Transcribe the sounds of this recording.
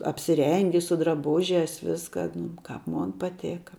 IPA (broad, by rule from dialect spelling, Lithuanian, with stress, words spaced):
ɐpʲsʲɪˈrʲɛŋʲɡʲɪ sʊ drɐˈbʊʒʲɛs ˈʋʲɪskɐ nʊ ˈkɐp ˈmoːn pɐˈtʲeːkɐ